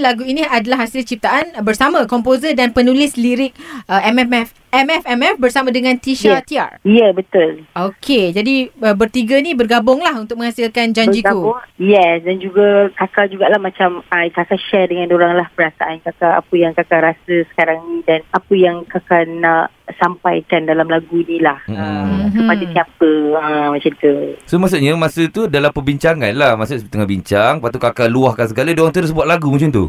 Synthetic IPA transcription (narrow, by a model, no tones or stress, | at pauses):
laɡuinĩadalahɦasɪlt͡ʃip̚t̪aʔanbərsamãkɔmpozədanpənũlɪsliɾɪk̚əɛmɛmɛf | ɛmɛfɛmɛfbərsamãdəŋãnt̪iʃat̪ia̰rjɛbət̪ʊlʔokʰed͡ʒadiəbərt̪iɡənibərɡabʊŋlahunt̪ʊk̚mə̃ŋhasilkand͡ʒaɲd͡ʒiauʊjɛsdand͡ʒuɡakakad͡ʒuɡaʔlahmat͡ʃamajkakaʃɛdəŋãnoɾaŋlahpəɾasaʔankakaa̰pəjaŋkakaɾasəsə̥kaɾaŋnĩdanapəjaŋkakanaʔ | sampajkandalamlaɡunilahm̩əmupadat̪iapəəmãt͡ʃant̪usomas̬uʔ̚ɲəmasət̪udalampəbiɲt͡ʃaŋanlahmasutʔt̪əŋabiɲt͡ʃaŋpat̪ukakaluahkans̬əɡaladoɾaŋt̪əɾus̬buat̪laɡumut͡ʃant̪ṵ